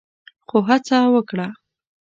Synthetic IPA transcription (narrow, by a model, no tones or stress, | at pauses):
xoɦat͡sawəkɽa